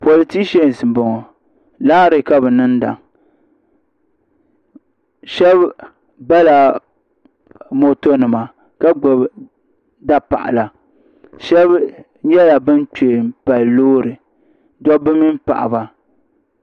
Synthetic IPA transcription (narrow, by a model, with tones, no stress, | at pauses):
po˨li˨ti˦ʃe˦n˨sɨ˨bɔ˨ŋɔ˨ | laː˦ɾɨ˨ka˦bɨ˨nɨ˦nda̰˨ŋ | ʃɛ˦b | ba˦la˨ | mo˨to˦nɨ˨ma˨ | ka˦ɡ͡bʊ˨b | da˦pa̰˨ʔa̰˨la˨ | ʃɛ˦b | ɲɛ˦la˨bɨ˦n˦t͡ʃe˨m˨pa˨lːoː˦ɾɨ˨ | dɔ˦bɨ˦mi˦m˦pa̰˨ʔa̰˨ba˦